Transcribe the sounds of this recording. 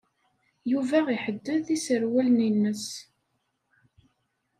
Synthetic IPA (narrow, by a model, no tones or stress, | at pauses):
juvæiħəd̪ːəðisəɾwælninːəs